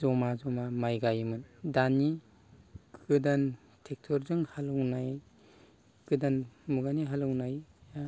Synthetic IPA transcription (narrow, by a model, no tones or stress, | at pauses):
zɔmazɔmamajɡajmɯndani | ɡɡɯdan | tʰek̚tʰɔɾzɯŋhalɯwnaj | ɡ̥ɯdanmuɡaniɦalɯwnaj